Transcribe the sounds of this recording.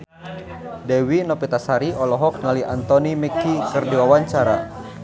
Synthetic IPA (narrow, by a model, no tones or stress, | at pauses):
dɛwinɔpit̪asaɾiʔɔlɔɦɔk̚ŋaliant̪ɔnimikːikɨrdiwawaɲt͡ʃaɾa